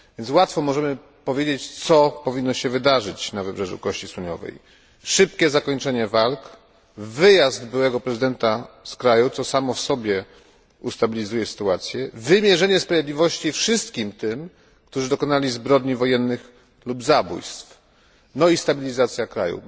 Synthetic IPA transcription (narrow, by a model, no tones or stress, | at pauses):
vʲɛnt̪swat̪fɔmɔʐɛmɘ | pɔvʲjed͡ʑet͡ɕt̪sɔpɔvʲinːɔɕɛvɘd̪aʐɘt͡ɕnavɘbʐɛʐṵkɔɕt͡ɕiswuɲɔ̰vɛ̰j | ʂɘp̚kʲɛzakɔɲt͡ʂɛɲɛvalk | vɘjazd̪bɘwɛɡɔpɾɛzɘd̪ɛnt̪askɾajut̪sɔsamɔfsɔbʲjɛ | ust̪abʲilʲizujɛsɘ̥t̪uat̪sʲjɛvɘmʲjɛʐɛɲɛspɾavʲjed̪lʲivɔɕt͡ɕifʂɘst̪kʲimt̪ɘm | kt̪uʐɘd̪ɔkɔnalʲizbɾɔd̪ɲivɔjɛnːɘx | lubzabṵjst̪f | nɔist̪abʲilʲizat̪sʲjakɾa̰jṵ